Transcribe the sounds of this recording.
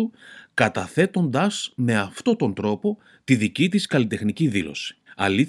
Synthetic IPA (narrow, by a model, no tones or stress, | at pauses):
ukɐt̪ɐθe̞t̪o̞nd̪ɐsme̞ɐft̪o̞t̪o̞nd̪ɾo̞po̞ | t̪iðicit̪iskɐlit̪e̞xniciðilo̞̰si̥ɐli